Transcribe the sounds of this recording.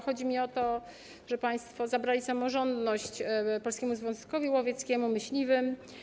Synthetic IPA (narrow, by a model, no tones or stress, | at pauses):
xɔd͡ʑimʲiɔt̪ɔ | ʐɛpaj̃st̪fɔzabɾalʲisamɔʐɔnd̪nɔɕt͡ɕpɔlskʲɛmuzvjɔ̃ñskɔvʲiwɔvʲjɛt̪skʲɛmumɘɕlʲivɘm